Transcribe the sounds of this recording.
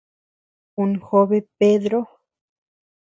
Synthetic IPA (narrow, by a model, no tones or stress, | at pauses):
unxoβepeðɾo